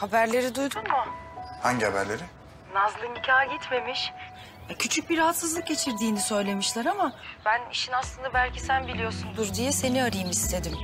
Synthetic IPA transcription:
habæɾlʲe̞ɾid̪ujd̪ummʊhaɲɟihabæ̰ɾlʲeɾi | nazlˠɯnicʰaːɟit̪me̞miʃ | ɛcʰyt͡ʃʰyc̚biɾaɦat̪sɯzlˠɯk̚ɟe̞t͡ʃʰiɾd̪iːnisø̞jlʲe̞miʃlʲˠæɾamab̥æniʃinaslˠɯnd̪abælʲcʰisænbilʲijo̞sund̪uɾd̪ijɛse̞niaɾɯjɯmist̪ʰe̞d̪im

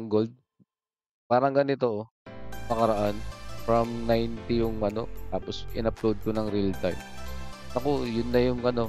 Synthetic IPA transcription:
ŋɡo̞ld̪̚ | paːɾɐŋɡɐnɪt̪o̞ | mɐkɐɾɐʔanfɹɐmnajnt̪ɪjʊŋmɐno̞t̪aːpo̞sʔɪnɐplod̪̚konɐŋɾɪlt̪aj | ɐko̞jʊnːɐjʊŋɐno̞

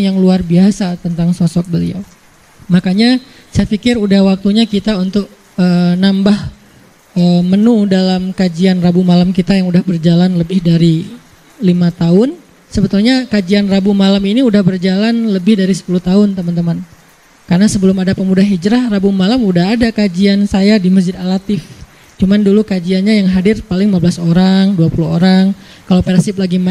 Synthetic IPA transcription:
jaŋluarbiasat̪ənt̪aŋsɔsɔk̚bəlḭa̰w | makaɲa | sajafikɪɾudahwak̚t̪uɲakit̪aunt̪ʊk̚ | ənambah | əmənudalamkad͡ʒianrabumalamkit̪ajaŋudahbərd͡ʒalanləbɪhdaɾi | limat̪aʊn | səbət̪ulɲakad͡ʒianrabumalaminiudahbərd͡ʒalanləbɪhdaɾisə̥puluht̪aʊnt̪əmant̪əman | karnasəbəlʊmadapəmudahid͡ʒɾahrabumalamudaɦadakad͡ʒiansajadiməsd͡ʒɪd̪alat̪ɪf | t͡ʃumandulukad͡ʒianɲajaŋɦadɪrpalɪŋmabəlasoɾaŋduapuluɦoɾaŋ | kalowpɛrsɪplaɡi

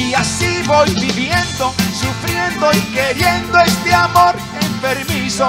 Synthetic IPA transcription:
iasiβojβiβjend̪osufɾjend̪oikeɾjend̪oest̪eamoɾ | empeɾmiso

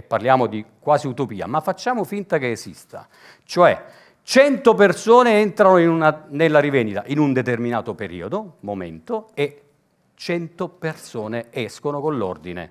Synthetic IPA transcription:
pːarljaːmod̪ikwaːsiut̪opiːa̰mafːat͡ʃːaːmofint̪akeːsḭst̪a | t͡ʃoɛ | t͡ʃɛnt̪opersoːneɛnt̪ɾanoinunanelːaɾivend̪it̪a̰ʔinund̪et̪erminaːt̪opeɾḭːod̪omomḛnt̪oe | t͡ʃɛnt̪opersoːneɛskonokonlo̰rd̪inḛ

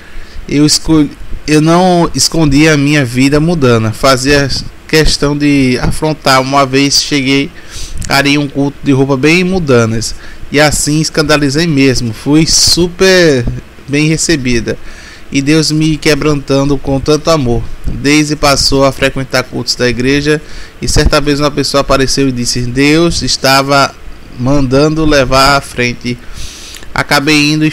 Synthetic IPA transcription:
ewiskoewnɐ̃w̃iskõnd̪iɐmĩɲɐvid̪ɐmud̪ɐ̃nɐfaziɐkɛʃt̪ɐ̃w̃d̪ɪafɾõnt̪aɾũmɐvejsʃeɡej | a̰ɾijũkuwt̪ʊd̪ɪɦopɐbẽj̃mud̪ɐ̃nɐsɪasĩiskɐ̃nd̪alizejmezmʊfujsupeɾ | bẽj̃hesebid̪ɐ | ɪd̪ewzmɪkebɾɐ̃nt̪ɐ̃nd̪ʊkõt̪ɐ̃nt̪ʊamoɾd̪ejzd̪ɪpasowafɾɛkwẽnt̪aɾkut̪ʊzd̪ɐiɡɾeʒɐɪsɛɾt̪ɐvezũɐpesoɐapaɾesewɪd̪isɪd̪ewzst̪avɐ | mɐ̃nd̪ɐ̃d̪ʊlɛvaɾafɾẽnt̪ɪ | a̰kabejĩnd̪ʊ

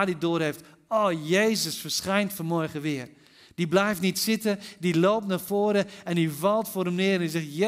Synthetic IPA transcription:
didoːɾheft | oːjejzəsfərsχɛjntfənmɔɹχəʋɪər | d̥iblɛjftnitsɪtədilowp̚tnaːfoːɾəɛndivɑlˠtfoːɾɛmnɪəɾɛndizɛχt

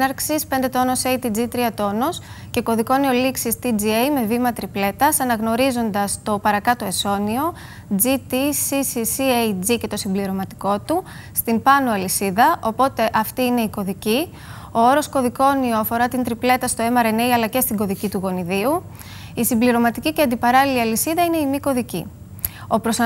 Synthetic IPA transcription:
nɐɾksispe̞nd̪et̪o̞nosejt̪id͡zit̪ɾiɐt̪o̞no̞s | ceko̞ðiko̞nio̞liksist̪id͡ziejme̞vimɐt̪ɾiple̞t̪ɐsɐnɐɣno̞ɾizo̞nd̪ɐst̪o̞pɐɾɐkɐt̪o̞e̞so̞nio̞ | d͡zit̪isisisiejd͡zice̞t̪o̞simbliɾo̞mɐt̪i̥ko̞t̪ust̪impɐnoɐlisiðɐʔo̞po̞t̪e̞ʔɐft̪iine̞iko̞ðici | o̞o̞ɾo̞sko̞ðiko̞nio̞ɐfo̞ɾɐt̪int̪ɾiple̞t̪ɐst̪o̞e̞mɐɾe̞ne̞jɐlɐce̞st̪iɡo̞ðicit̪uɣo̞niðiu | isimbliɾo̞mɐt̪iciceɐnd̪ipɐɾɐliliɐlisiðɐine̞imiko̞ðicḭ | o̞pɾo̞sɐ

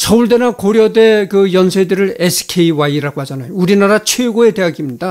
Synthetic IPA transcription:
sʰʌuɭd̬enakoɾjʌde̞kɯjʌnsʰedɯɾɯɾesʰɯ̥kʰeiwaiɾaɡwɦad͡ʑʌnajouɾinaɾat͡ɕʰweɡoe̞de̞aɡimɲida

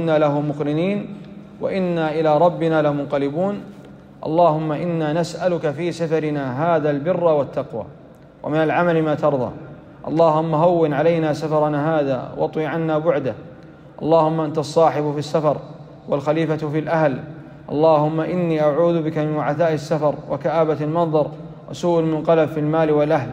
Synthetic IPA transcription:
nːaːlahʊmmʊkɾɪniːn | wa̰ʔɪnːaːʔɪlaːɾˤɑbːɪnaːlamʊnqɑlɪbuːn | ʔɑ̰lˤːɑːhʊmːaʔɪnːaːnasʔalʊkafiːsafɑɾɪnaːɦaːðaːlbɪrːawat̪ːaqwa̰ː | wʔa̰mɪnalʕamalɪmaːt̪ɑɾˤðˤɑ̰ː | ʔɑ̰lˤːɑːhʊmːaɦawːɪnʕalajnaːsafɑɾˤɑnaɦaːða̰ːwʔɑ̰t̪ˤwiːʕanːaːbʊʕd̪a | ʔɑ̰lˤːɑːhʊmːaʔant̪aɑsˤːɑːħɪbfisːafɑɾˤ | walxaliːfat̪fiːlʔahl | ʔɑ̰lˤːɑːhʊmːaʔɪnːiːʔaʕuːðʊbɪkamɪnwaʕaθaːʔɪsːafɑɾˤwa̰kaʔaːbat̪almɑnðˤɑɾˤ | wʔasuːʔalmʊnqɑlabfilmaːlɪwalʔahl

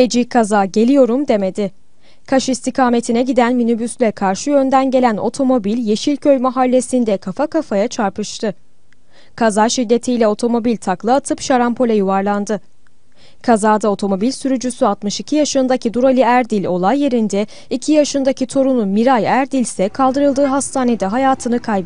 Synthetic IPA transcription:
ed͡ʒikʰazaːɟe̞lʲijo̞ɾumd̪e̞me̞d̪ɪ | kʰaʃist̪ʰikʰaːme̞t̪ʰinɛɟid̪ænminybyslʲɛkʰaɾʃɯjø̞nd̪ænɟe̞lʲæno̞̰t̪ʰo̞mo̞bilʲje̞ʃilʲcʰø̞jmaɦalʲːe̞sind̪ɛkʰafakafajat͡ʃʰaɾpʰɯʃt̪ʰɯ | kʰazaːʃid̪ːe̞t̪ʰijlʲɛo̞t̪ʰo̞mo̞bilʲt̪ʰaklˠɯat̪ʰɯpʃaɾampʰo̞lʲɛjuvaɾlˠand̪ɯ | kʰazaːd̪ao̞t̪ʰo̞mo̞bilʲsyɾyd͡ʒysyat̪mɯʃicʰijaʃɯnd̪acʰid̪uɾalʲiæɾd̪ilʲo̞lˠajːe̞ɾind̪ɛ | icʰijaʃɯnd̪acʰit̪ʰo̞ɾununmiɾajæɾd̪ilʲsɛkʰalˠd̪ɯɾɯlˠd̪ɯːɦast̪ʰaːne̞d̪ɛɦajaːt̪ʰɯnɯkʰajb

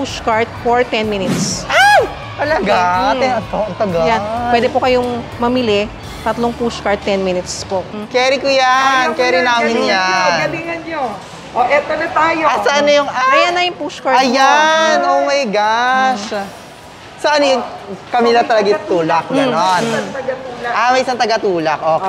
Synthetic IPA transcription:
puʃkɐɹt̪̚foɹt̪ɛnminɪt̪sʔa | t̪ɐlɐɡaaɛɐt̪oɐt̪ɐɡajanwɛːd̪ɛpokɐjoŋmɐmɪlɛ | t̪ɐt̪loŋpuskɐɹt̪ːɛnminɪt̪spoʔkɛːɾikʊjankɛːɾɪnaːmɪnjaɐnɡɐbiŋɐnɲo | ʔoʔɛt̪onɐt̪aːjosɐʔɐnːojʊŋaɐjanːɐjʊŋpuskɐɹɐjanomɐjɡaʃ | sɐʔɐnːojʊŋkɐmilɐt̪ɐlɐɡɐt̪uːlɐk̚ɡɐnont̪ɐɡɐt̪uːlɐʔamɐjʔɪsaŋt̪ɐɡɐt̪uːlɐk̚ʔoː

